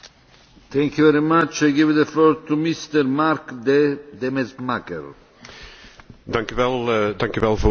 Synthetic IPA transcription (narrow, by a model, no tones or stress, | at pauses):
t̪ɛŋkjuvɛɾimat͡ʃaɡevd̪əflɔːɾt̪umist̪ɛɾmaɾkd̪ed̪ɛmɛzmakɛ̰r | dɑŋkyʋɛlˠdɑŋkyʋɛlˠvo